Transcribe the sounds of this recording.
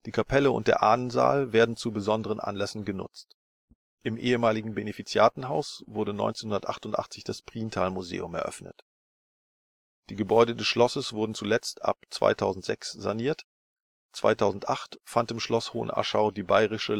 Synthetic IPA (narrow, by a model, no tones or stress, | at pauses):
d̥iːkʰapʰɛləʊ̰nt̚d̥eːɐʔaːnənza̰ːlveːɐdn̩t͡subəzɔndəʁənʔa̰nlɛsn̩ɡənʊ̰t͡st | ʔɪmʔeːəmaːlɪɡŋ̩benefit͡sjaːtn̩ɦaʊsv̥ʊɐɾənɔ̰ʏnt͡senhʊndɐtʔa̰χtʊntʔa̰χt͡sɪçd̥aspʁ̥iːntʰaːlmuzḛːʊmɛɐʔœ̰fnə̰t | d̥iːɡəbɔʏɾədɛsʃlɔsəsv̥ʊɐdn̩t͡sulɛt͡stʔa̰p̚t͡sv̥a̰ɪtʰaʊzn̩tz̥ɛ̰ksz̥a̰niːɐt | t͡sv̥a̰ɪtʰaʊzn̩tʔaχtfantɪmʃlɔshoːə̰nʔa̰ʃaʊdiːbaɪʁɪʃə